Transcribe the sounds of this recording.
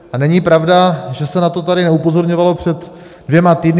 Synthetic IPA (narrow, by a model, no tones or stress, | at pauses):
ʔanɛɲipɾavdaʒɛsɛnat̪o̞t̪adɪnɛupo̞zo̞ɾɲo̞valo̞pr̝̥ɛt̪ | dvjɛmat̪iːdn